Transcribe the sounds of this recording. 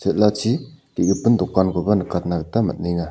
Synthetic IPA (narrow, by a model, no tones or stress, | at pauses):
t͡ʃʰeʔ̪̚lat͡ʃʰikeɡəpənd̪okːanɡobanəkat̪̚nak̚t̪amə̰ʔ̚niŋa